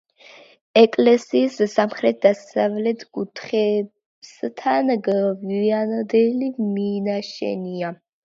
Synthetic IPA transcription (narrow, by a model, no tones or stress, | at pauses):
ɛkʼlɛsiːssamχɾɛt̪̚d̪asavlɛt̪ʰkʼut̪ʰχɛ | bst̪ʰanɡvianɔd̪ɛliminaʃɛ̰nia